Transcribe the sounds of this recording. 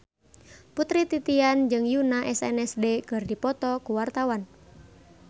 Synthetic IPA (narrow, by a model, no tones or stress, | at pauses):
put̪ɾit̪it̪iand͡ʒɨŋjunaʔɛsɛ̰nɛsdekɨrdipɔt̪ɔkuwart̪awan